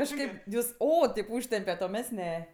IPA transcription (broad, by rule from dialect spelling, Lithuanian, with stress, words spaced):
kɐʃˈkɐɪp ˈjʊs ˈoː ˈtʲeːp ˈuːʃʲtʲɛmʲpʲɛt oː ˈmʲɛs ˈnʲɛ